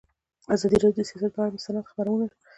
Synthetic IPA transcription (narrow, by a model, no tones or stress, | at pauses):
azɑd̪iɾɑdjod̪əsijɑsat̪̚baamasanat̪xapaɾawənaʃə